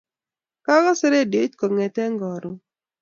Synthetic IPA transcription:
ka˦ɡɔ˦se˦ɾe˦˨de˨˦t͡ʃkɔ˨ŋe˨tɛ˦ŋɡɔ˨ɾʊ˨

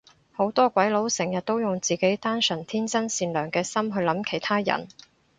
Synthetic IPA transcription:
ho˨˥wt̪ɔː˥kʷɐ˨˥jlo˨˥wsɛ˨˩ŋjɐ˨t̚t̪o˥wjʊ˨ŋt͡siː˨˩ke˨˥jt̪aː˥nsɵ˨˩nt̪ʰiː˥nt͡sɐ˥nsiː˧nlœː˨˩ŋkɛː˧sɐ˥mɦɵ˧ɥlɐ˨˥mkʰe˨˩jt̪ʰaː˥jɐ̰˨˩n

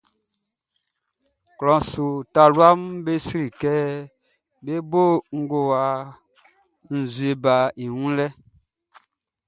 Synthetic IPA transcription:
klɔ̃˨so˨ta˨lwa˦mbe˦si˦ɾi˨kɛ˦ | be˦bo˦˨ŋ̩˦ɡo˨wa˨ | n̩˨zwe˨ba˨i˨wũ˦lɛ˦

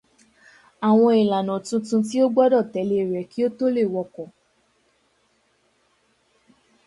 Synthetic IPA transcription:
a˨w̃ɔ̃˧i˨la˨nɔ̃˨tũ˧tũ˧t̬i˦o˦ɡ͡bɔ˦dɔ˦˨tɛ˨˦le˧˦˨ɾɛ˨˦ki˦o˦to˦le˦˨wɔ˧kɔ̃˨

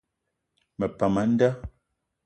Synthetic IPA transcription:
mɛ˨pa˨ma˨˦n̩˦da˦

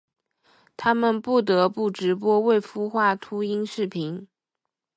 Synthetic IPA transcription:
t̪ʰa˥mə˨npu˥˩t̪̬ɤ˧˥pu˥˩ʈ͡ʂɻ̩˧˥p̬wɔ˥we˥˩ɪfu˥xwa˥˩t̪ʰu˥i˥nʂɻ̩˥˩pʰi˧˥n

